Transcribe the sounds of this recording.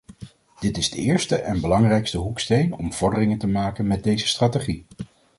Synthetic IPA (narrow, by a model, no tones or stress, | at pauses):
d̥ɪtɪzdəɪːɹstəʔɛnbəlɑŋrɛjkstəɦukstejnɔmv̥ɔɹdərɪŋəntəmaːkənmɛt̚dejzəstraːteχi